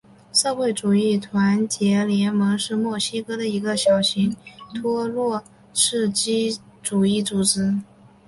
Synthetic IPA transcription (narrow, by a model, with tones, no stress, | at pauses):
ʂɤ˥˧xwe˥˩ɪʈ͡ʂu˨˩i˥˩t̪ʰwa˧˥nt͡ɕjɛ˧˥ljɛ˧˥nmɤ˧˥ŋʂɻ̩˥˧mwɔ˥˩ɕi˥kɤ˥d̪ə˨i˧˥ɡə˧ɕjɑ˨˩ʊɕi˧˥ŋt̪ʰwɔ˥lwɔ˥˧˩ | ʂɻ̩˥˩t͡ɕi˥ʈ͡ʂu˨˩i˥˩t͡su˨˩ʈ͡ʂɻ̩˧˥